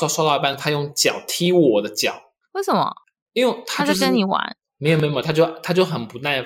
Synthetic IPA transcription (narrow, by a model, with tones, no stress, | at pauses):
ʊʂwɑ˥ʊɑ˥˩ʊ˧pa˥˩nt̪ʰa˥jʊ˥˩ŋt͡ɕjɑ˨˩ʊt̪ʰi˥wwɔ˨˩d̪ə˦t͡ɕjɑ˨˩˦ʊ | we˥˩ɪsə˨˩mɐ̰˦ | i˥nwt̪ʰa˥ə˥nni˧˥wa̰˧˥˦n | me˧˥ɪjo˨˩me˧˥˧t̪ʰjo˥˩ʊt̪ʰa˥t͡ɕjo˥˩ʊxə˨˩npu˧˥na˥˩ɪ